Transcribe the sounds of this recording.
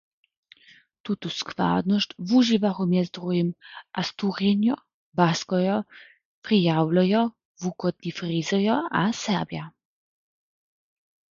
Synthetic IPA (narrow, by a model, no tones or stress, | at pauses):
t̪ut̪uskva̰ːd̪nɔst̪vuʒivaxɔmjɛzt̪ʁujimʔast̪uʁjɛnjɔ | baskɔjɔ | pɾijaːwlajɔ | vukɔd̪nifrizɔjɔasɛɾbja